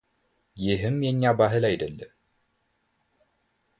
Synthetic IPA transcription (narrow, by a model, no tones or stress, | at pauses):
jɪɦɨmjɛɲːabaɦɨlajd̪əlːəm